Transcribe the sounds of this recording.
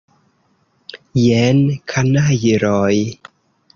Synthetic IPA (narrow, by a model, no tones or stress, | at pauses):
jɛːnkʰanaːjiɾɔːj